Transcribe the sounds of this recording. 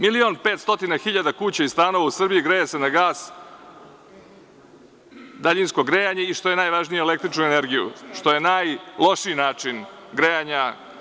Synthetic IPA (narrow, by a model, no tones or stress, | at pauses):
milio̞npe̞ːt̪st̪ot̪inaxiʎad̪akuːt͡ɕaizt̪aːno̞ʋausr̩bijiɡɾejese̞naɡaːs | d̪aʎinsko̞ɡɾejaɲe̞iʃt̪o̞je̞naːjʋaʒnijuele̞kt̪ɾit͡ʃnuene̞ɾɡijṵʂt̪o̞je̞najlˠo̞ʂiːnaːt͡ʂin | ɡɾejaɲa